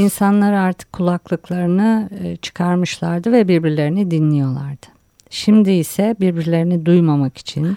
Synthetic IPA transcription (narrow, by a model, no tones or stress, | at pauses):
insanlˠaɾaɾt̪ʰɯ̥kʰːulˠaklˠɯklˠaɾɯnɯt͡ʃʰɯ̥kʰaɾmɯʃlˠaɾd̪ɯvɛbiɾbiɾlʲe̞ɾinid̪inlʲijo̞lˠa̰ɾd̪̥ɯ̥ | ʃimd̪iisɛbiɾbiɾlʲe̞ɾinid̪ujmamaki̥t͡ʃʰin